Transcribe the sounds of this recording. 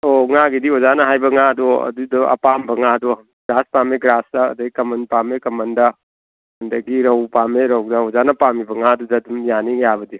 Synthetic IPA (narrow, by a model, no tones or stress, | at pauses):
oŋaɡidiɦɔzanɐɦajbɐŋaɐdɔɐ̰dudɔɐ̰pambɐŋadɔ | ɡɾaspameɡɾasda̰ːdɐɡikɐmɐnpamekɐmɐndɐ | ɐndɐɡiɾɐwpameɾawdaɔzanɐpamibɐŋadudɐdumjanijabɐdi